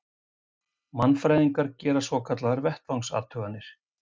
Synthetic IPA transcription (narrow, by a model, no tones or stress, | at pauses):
manːfɾajðiŋkaɾcɛːɾasvɔkʰat̪laðaɾvɛht̪vawŋsa̰ːt̪ʰœɣanːɪɾ̥